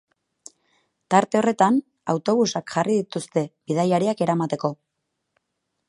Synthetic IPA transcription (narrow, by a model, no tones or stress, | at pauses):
t̪aɾt̪e̞o̞re̞t̪an | awt̪o̞βusakʝariðit̪ust̪e̞bið̞ajaɾiake̞ɾamat̪e̞ko̞